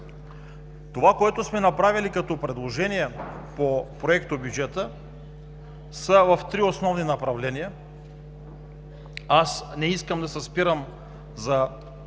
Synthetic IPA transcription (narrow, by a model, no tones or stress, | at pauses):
t̪ovakoɛt̪osmɛnapɾavilikat̪ɔpɾɛd̪lˠoʒɛnijɛ | popɾoɛkt̪objud͡ʒɛt̪ə | səvɐft̪ɾiosnɔvninapɾavlɛnija | asnɛiskɐmd̪asɛspiɾəm | za